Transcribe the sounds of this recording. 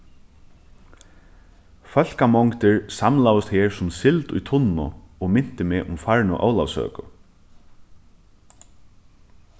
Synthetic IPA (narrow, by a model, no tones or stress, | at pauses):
fœl̥kamɔŋkt̪ɪɹsamlawʊst̪heːɹsʊmsɪlt̪ʊ̰jt̪ʰʊnːʊ̰ɔmɪn̥t̪ɪmeːʔʊmfaɹnʊ̰ʔɔ̰wlawsœ̰ːkʊ